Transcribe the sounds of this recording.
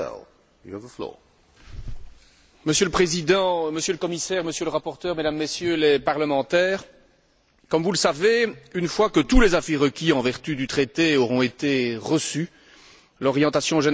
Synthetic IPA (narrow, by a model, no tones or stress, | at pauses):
ɛ̰l | jṵavðəflɔ̰ | məsjøləpχezid̪ɑ̃məsjøləkɔmisɛːʁməsjøləʁapɔʁt̪œːʁmed̪amːesjølepaʁləmɑ̃t̪ɛːʁ | kɔmvuləsaveynfwakət̪ulezafiʁəkʲiɑ̃vɛʁt̪yd̪yt̪χet̪eɔʁɔ̃et̪eʁəsy | lɔʁjɑ̃t̪asjɔ̃ʒen